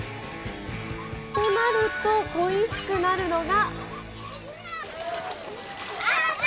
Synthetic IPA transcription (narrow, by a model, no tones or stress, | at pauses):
t̪o̞naɾɯ̟t̪o̞ɡoiɕi̥kɯ̟naɾɯ̟no̞ɡa